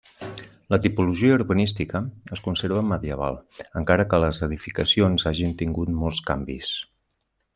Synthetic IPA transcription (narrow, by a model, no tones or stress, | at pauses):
lət̪ipuluʒiəuɾβənist̪ikəəskunseɾβəməðiəβ̞a̰lˠəŋkaɾəkələzəðifikəsionzaʒint̪iŋɡut̪mɔlˠska̰mbḭs